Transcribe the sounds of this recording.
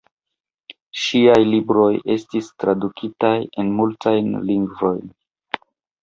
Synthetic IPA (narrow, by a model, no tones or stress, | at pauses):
ʃiajlibɾo̞je̞stistɾadukʰitaje̞nmultʰajnliŋɡvo̞jn